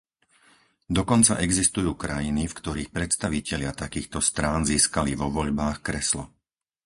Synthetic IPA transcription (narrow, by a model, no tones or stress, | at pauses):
d̪ɔkɔnt͡sa̰ʔɛɡzist̪ujuːkɾajinifkt̪ɔɾiːxpɾɛt̪st̪aʋicɛʎɪat̪akiːxt̪ɔst̪ɾaːnziːskaliʋɔʋɔʎbaːxkɾɛslɔ